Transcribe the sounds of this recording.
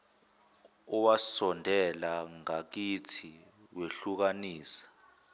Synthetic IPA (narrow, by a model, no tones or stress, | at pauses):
ɔwasɔndʱɛlaŋak̬itʰi | weɬuk̬aniːsḁ